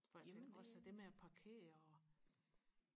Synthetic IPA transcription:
fɒemnɔsæd̥e̝meæpʰɑ̈kʰe̝̰ːɐɒ

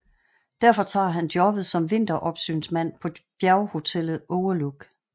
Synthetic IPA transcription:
d̥æɐ̰fɒ̽t͡sʰɑ̰̈ːɦænd̥jɒ̽b̥ð̩ˠsɒ̽mʋe̝n̰d̥ɐʔɒ̽b̥sy̰ːnsmæn̰pʰɒ̽b̥jæɐʊho̝t͡sʰel̰ð̩ˠɔʊɐloɡ̥

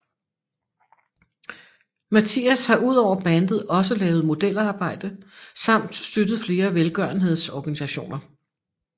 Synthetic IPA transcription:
mæt͡sʰḭæshɑ̈ʔuð̞̰ˠɒʊ̰ɐb̥ænd̥ð̩ˠɒ̽s̬əlɛːʊð̩ˠmo̝d̥el̰ɑ̈ːb̥ɑ̈ɪ̰d̥əsɑ̈m̰d̥sd̥ød̥ð̞̩ˠfle̝ːɐʋelɡ̥ɶɐn̩ɦe̝ð̞ˠsɒːɡ̥ænisæɕo̝̰ːnɐ

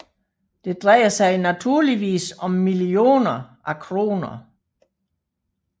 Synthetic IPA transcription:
d̥e̝d̥ʁɛɪɐsɑ̈ɪnæt͡sʰuɐliʋḭːsɒ̽mːilio̝̰ːnɐʔækʰʁo̝̰ːnɐ

